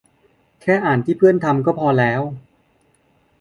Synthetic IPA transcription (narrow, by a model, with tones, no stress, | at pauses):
kʰɛː˥˩ʔaː˨˩nt̪ʰiː˥˩pʰɯ˥˩ənt̪ʰa˧mkɔː˥˩pʰɔː˧lɛː˦˥w